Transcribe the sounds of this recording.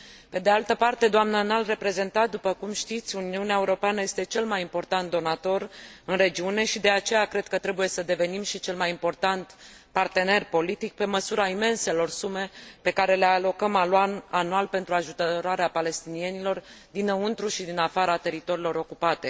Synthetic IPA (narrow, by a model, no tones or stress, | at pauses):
pe̞d̪ealt̪əpart̪e̞d̪oamnənalre̞pɾe̞ze̞nt̪at̪̚d̪upəkumʃt̪it̪sʲuniuneaeuɾo̞peanəje̞st̪e̞t͡ʃe̞lmajimpo̞rt̪ant̪̚d̪o̞nat̪o̞ɾɨnre̞d͡ʒiune̞ʃid̪e̞at͡ʃe̞jakɾe̞d̪̥̚kət̪ɾe̞buje̞səd̪e̞ve̞nimʃit͡ʃe̞lmajimpo̞rt̪ant̪ | part̪e̞ne̞rpo̞lit̪ik̚pe̞məsuɾaime̞nse̞lo̞rsume̞pe̞kaɾe̞le̞alo̞kəmaloananualpe̞nt̪ɾuaʒut̪əɾoaɾeapale̞st̪inie̞nilo̞r | d̪inəunt̪ɾuʃid̪inafaɾat̪e̞ɾit̪o̞ɾilo̞ɾo̞kupat̪e̞